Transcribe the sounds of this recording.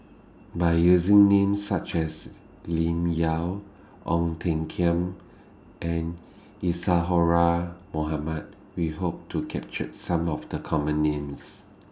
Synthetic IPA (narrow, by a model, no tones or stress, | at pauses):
baɪjuzĩŋnẽmsːat͡ʃɛs | lĩmjal | ʔɔ̃ŋtʰɛ̃ŋkʰiə̃m | ʔɛ̃n | isaɦɔɹamoɦamat̚ | wiɦop̚tʰukʰɛp̚t͡ʃət̚sãmɔfdəkʰɔmə̃nːẽms